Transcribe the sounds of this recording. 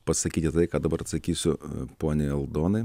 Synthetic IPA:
pɐssɐkʲiːt̪ʲɪt̪ɐɪkɑːd̪ɐbɐɾɐt̪sɐkʲiːsʲʊpoːnʲɪɛlˠd̪oːnɐɪ

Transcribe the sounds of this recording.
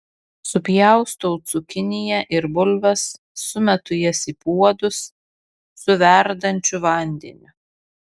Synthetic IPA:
sʊpʲjɛˑʊst̪oʊt̪sʊkʲɪnʲɪjɛʔɪɾbʊlʲʋɐsː | ʊmʲɛt̪ʊjɛsipuɔd̪ʊsː | ʊʋʲɛɾd̪ɐnʲt͡ʃʲʊʋɐˑnʲd̪ʲḛnʲʊ

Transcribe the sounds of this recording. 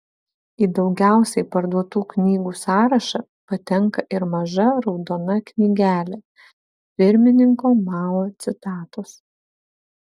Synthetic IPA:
id̪ɒʊɡʲæˑʊsʲɛɪpɐɾd̪uɔt̪uːknʲiːɡuːsɑːɾɐʃɐ | pɐt̪ʲɛŋkɐʔɪɾmɐʒɐɾɒʊd̪oːnɐknʲiɡʲæːlʲɛ | pʲɪɾʲmʲɪnʲɪŋkoːmɑːloːt̪sʲɪt̪ɑːt̪os

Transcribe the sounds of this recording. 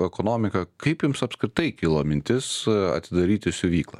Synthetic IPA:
ɛkoːnoːmʲɪkɐkɐɪpjʊmsɐpskɾʲɪt̪ɐɪkʲɪlˠoːmʲɪnʲt̪ʲɪsɐ̰t̪ʲɪd̪ɐɾʲiːt̪ʲɪsʲʊʋʲiːklˠɐ̰

